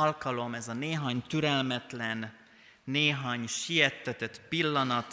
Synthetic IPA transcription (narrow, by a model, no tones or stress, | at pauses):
lkɒlo̞mɛzɒneːɦaːɲt̪yɾɛlmɛt̪lɛnː | eːɦaːɲʃijɛt̪ːɛt̪ɛt̪pilːɒnɒt̪